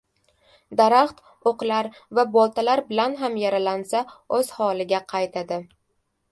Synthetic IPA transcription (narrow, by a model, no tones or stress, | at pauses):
d̪aɾaχt̪ | oqlaɾ | vabɒlˠt̪ʰalaɾbɪlanɦamjaɾalansaɵz̥hɒlˠɪɡʲaqʰɑjt̪ʰad̪ɪ